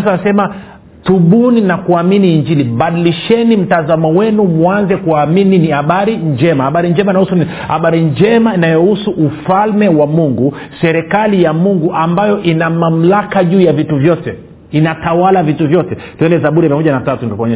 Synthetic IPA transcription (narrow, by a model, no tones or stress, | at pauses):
saasɛma | tuɓuninakuaminiːɲd͡ʒiliɓaɗiliʃɛnim̩tazamɔwɛnumuanzɛkuamininihaɓaɾiɲd͡ʒɛmahaɓaɾiɲd͡ʒɛmainahusu | haɓaɾiɲd͡ʒɛmainajɔhusuʔufalmɛwamuŋɡu | sɛɾɛkalijamuŋɡuʔambajɔʔinamam̩lakaʄuːjavituvjɔtɛ | inatawalavituvjɔtɛtuɛndɛzaɓuɾɛmiamɔʄanatatunɡakɔɲɛ